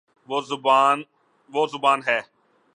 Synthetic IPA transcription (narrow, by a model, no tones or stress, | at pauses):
oːzʊbːn | ʋoːzʊbaːnɦɛː